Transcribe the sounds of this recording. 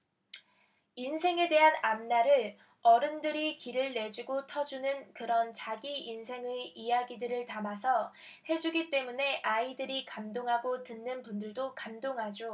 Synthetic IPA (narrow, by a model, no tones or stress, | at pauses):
insʰe̞ŋe̞de̞ɦanamnaɾɯɭ | ʌɾɯndɯɾikiɾɯɭːe̞d͡ʑuɡotʰʌd͡ʑunɯnkɯɾʌnt͡ɕaɡiinsʰe̞ŋɯijaɡidɯɾɯɭtamasʰʌhe̞d͡ʑuɡit͈e̞mune̞ʔaidɯɾikamdoŋɦaɡotɯnːɯnpundɯɭdokamdoŋɦad͡ʑo